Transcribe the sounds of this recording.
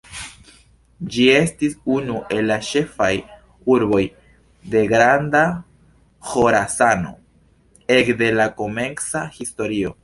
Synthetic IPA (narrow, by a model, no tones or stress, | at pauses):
d͡ʒie̞stisunuʔe̞lːaʃe̞faj | uɾbo̞j | de̞ɡɾanda | xo̞ɾasano̞̰ | e̞kde̞lako̞me̞ŋsahisto̞ɾio̞̰